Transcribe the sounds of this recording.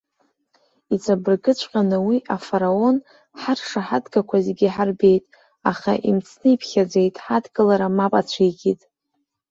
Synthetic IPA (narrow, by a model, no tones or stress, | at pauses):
it͡sʷʰʼabɨrɡɨt͡ɕʷʰʼqʲʼanɨwiʔafaɾao̞n | ħarʂaħadɡakʷʰazɡʲiħarbe̞jtʼ | aχa̰ʔimt͡sʰnɨipʰχʲad͡zejtʼħadɡʼɨlaɾamapʼat͡ɕʷʰijɡʲʼitʼ